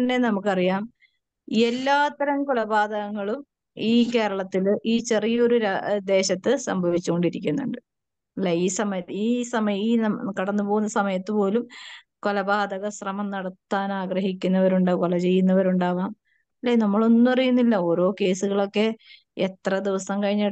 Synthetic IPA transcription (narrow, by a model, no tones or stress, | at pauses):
ɐnːe̞nɐmukːɐrijaːm | ie̞lːaːt̪ːɐɾɐmkolɐbaːd̪ɐɣɐŋːɐɭum | iːke̞ːɾɐɭɐt̪ːilʔiːt͡ɕe̞rijɐoɾuɾad̪e̞ːɕɐt̪ːɨsɐmbʱɐʋit͡ɕːuɣo̞ɳɖiɾikʲːunːuɳɖɨ | ɐlːeiːsɐmɐjɐt̪ːiːsɐmɐjiːkɐɽɐnːɨpo̞ːɣunːɐsɐmɐjɐt̪ːɨpo̞ːlum | kolɐbaːd̪ɐɣɐsrɐmɐmnɐɽɐt̪ːaːnaːɡrɐɦikʲːunːɐʋɐɾuɳɖakolɐt͡ɕe̞jːunːɐʋɐɾuɳɖaːʋaːm | ɐlːenɐmːɐɭo̞nːupɐrɐjunːilːɐo̞ːɾo̞ːke̞ːsuɣɐɭo̞kːe̞ | et̪rɐd̪iʋɐsɐmkɐɻiɲːa